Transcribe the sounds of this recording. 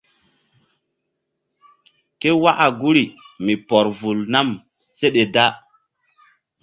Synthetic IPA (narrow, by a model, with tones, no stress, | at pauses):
ke˦wa˦ʔa˨ɡu˦ɾi˨mi˨pɔ˨ɾvu˨lna˦˨m | se˦ɗe˨da˦